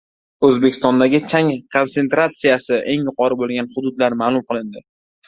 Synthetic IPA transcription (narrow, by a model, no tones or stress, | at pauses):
ɵzbekʲʰɪst̪ɒnd̪aɡʲɪt͡ʃʰaŋkʰo̞nt̪se̞nt̪ɾat̪sijasɪʔe̞ŋjʊqʰɒɾɪbolˠɡʲanhʊd̪ʊd̪laɾmaːlˠʊmqɨlˠɪnd̪ɪ